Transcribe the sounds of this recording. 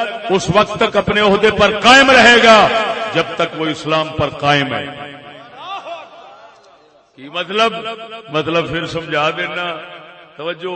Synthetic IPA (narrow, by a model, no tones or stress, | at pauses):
ʊsʋək̚t̪ːəkɐpneʊɦd̪eːpɐɾqaːɪmɾɐɦeːɡaːd͡ʒɐbt̪əkʋoːɪslaːmpɐɾqaːɪmɦɛ̰̃ːa | kiːmət̪ləbmɐt̪ləbfʰɪɾsɐmd͡ʒʱaːd̪eːnaːt̪ɐʋəd͡ʒo